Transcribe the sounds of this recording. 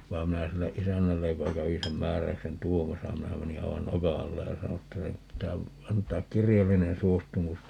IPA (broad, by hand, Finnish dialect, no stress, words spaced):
ʋɑi̯m minæ silːe ʔisænːælːej jokɑ kæʋi sem mæːræy̞ksen tuomɑsɑ minæ meni ɑiʋɑn nokɑ ɑlːe jɑ sɑno etːæ nyt pitæː ɑntˑɑːk kirjɑlːinen suostumus